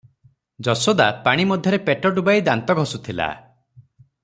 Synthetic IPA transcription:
d͡ʒɔsɔd̪apaɽ̃imɔd̪ʱjɔɾepeʈɔɖubajd̪ant̪ɔɡʱɔsut̪ʰila̰

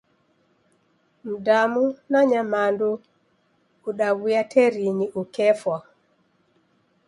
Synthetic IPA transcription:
m̩damunaɲamandu | uɗawujatʰɛɾiɲiʔukɛfwa

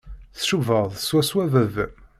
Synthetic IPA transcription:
θʃuvəʁðˤswæswævəð

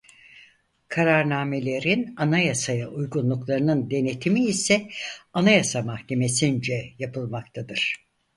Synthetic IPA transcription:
kʰaɾaɾnaːme̞lʲe̞ɾinanajasajaʔujɡunlˠuklˠaɾɯnɯnd̪e̞net̪ʰimiːsɛanajasamahce̞me̞sind͡ʒɛjapɯlˠmakt̪ʰad̪ɯɾ̥

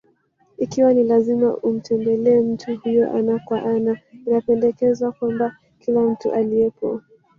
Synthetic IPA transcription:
ikiwanilazima̰ʔum̩tʰɛmbɛlɛːm̩tʰuhujɔʔanakwaʔanainapɛndɛkɛzwakwamba | kilam̩tuʔaliɛpɔ

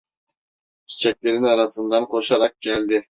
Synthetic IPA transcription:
t͡ʃʰi̥t͡ʃʰæk̚ʲle̞ɾinɑɾɑsɯnd̪ɑnqʰoʃɑɾɑq̚kʲʰælʲd̪ɪ

